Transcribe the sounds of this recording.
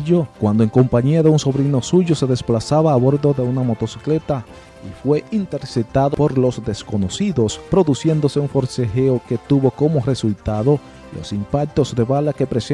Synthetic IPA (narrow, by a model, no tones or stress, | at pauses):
okwand̪oeŋko̞mpaɲiaðeunso̞βɾino̞suʝo̞se̞ðe̞splasaβaːβo̞ɾðo̞ðe̞unamo̞t̪o̞si̥kle̞t̪a | ifwe̞ʔint̪e̞ɾset̪aðopo̞ɾlo̞zd̪esko̞no̞siðo̞spɾo̞ðusje̞nd̪o̞seuɱfo̞ɾsexeoke̞t̪uβo̞ko̞more̞sult̪aðo̞ | lʔo̞̰simpak̚t̪o̞zd̪e̞βalake̞pɾes